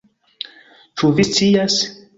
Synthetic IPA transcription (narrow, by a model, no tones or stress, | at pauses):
t͡ʃuvist͡sias